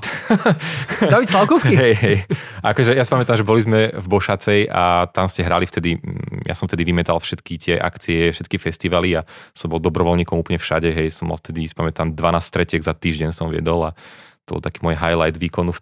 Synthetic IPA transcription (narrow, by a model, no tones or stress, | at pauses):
daʋit̪slaʊkɔʊsiɦɛjɦɛj | ʔakɔʒɛjasi̥pamɛt̪amʒɛbɔlizmɛvbɔʃat͡sɛja̰t̪amscɛɦɾalift̪ɛd̪ijʔa̰sɔmft̪ɛd̪iʋimɛt̪alfʃɛt̪kit̪ɪɛʔa̰kt͡siɛfʃɛt̪̚kifɛst̪iʋaliasɔmbɔlˠd̪ɔbɾɔʋɔlɲiːkɔmuplɲɛfʃa̰ɟɛɦɛjsɔmɔ̰lft̪ɛd̪isi̥pamɛt̪amd̪ʋanaːsst̪ɾɛcɪɛɡzat̪iːʒɟɛɲsɔmʋɪɛ̰d̪ɔlat̪ɔbɔ̰lt̪akiːmʊɔjɦajlajd̪ʋiːkɔnu